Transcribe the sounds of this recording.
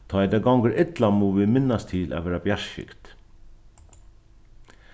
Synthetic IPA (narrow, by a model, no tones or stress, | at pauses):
t̪ʰɔːɛd̪ɛːɡawŋkəɾɪt̪lamuʋɪmɪnːast̪ʰɪːlʔæ̰ʋɛːɾabjaʂʃɪ̰kt̪